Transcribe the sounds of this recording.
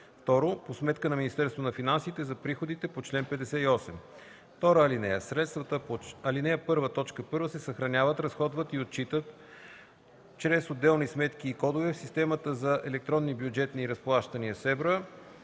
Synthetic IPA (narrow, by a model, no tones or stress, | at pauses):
ft̪ɔɾoposmɛt̪kənɐminist̪ɛɾst̪vonɐfinansit̪ɛzɐpɾixod̪it̪ɛpot͡ʃlɛnpɛd̪ɛsɛiɔsɛm | ft̪ɔɾəɐlinɛjəsɾɛt̪st̪vət̪əpɐlinɛjəpɤɾvət̪ɔt͡ʃkəpɤɾvəsɛsɐxɾɐnʲavət̪ɾɐsxɔd̪vət̪iot̪̚t͡ʃit̪ət̪ | t͡ʃɾɛsod̪ːɛlˠnismɛt̪kiːkɔd̪ovɛfsist̪ɛmət̪əzɐʔɛlɛk̚t̪ɾɔnːibjud͡ʒɛt̪niːɾɐsplˠaʃt̪əniəsɛvɾə